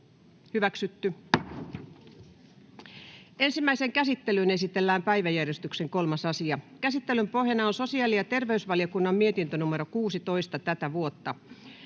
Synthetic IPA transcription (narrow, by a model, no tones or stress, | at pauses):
hyʋæksyt̪ːy | e̞nsimːæiseŋkæsit̪ːelyne̞sit̪e̞lːæːmpæiʋæjærjest̪ykseŋko̞lmɑsɑsiɑkæsit̪ːelympo̞ɦenɑonso̞siɑːlijɑt̪e̞rʋe̞ysʋɑliokunːɑmmie̞t̪int̪ønumeɾokuːsit̪o̞ist̪ɑt̪æt̪æʋuot̪ːɑ